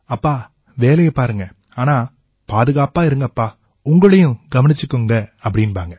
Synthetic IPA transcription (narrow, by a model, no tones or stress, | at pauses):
ɐpːaː | ʋeːlɐjɐpaːɾɯŋɡɐ | aːnaː | paːðɯɣaːpaːɪɾɯŋɡɐpːaː | ʊŋɡɐɭɐjʊ̃ɡɐʋɐnɪt͡ʃːɯkːɯŋɡɐɐpːɐɽɪnpaːŋɡɐ